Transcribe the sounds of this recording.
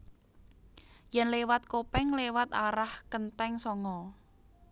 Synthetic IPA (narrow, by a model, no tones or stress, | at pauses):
jɛnlewat̪̚kopɛŋlewat̪aɾahkənt̪ɛŋsɔŋɔ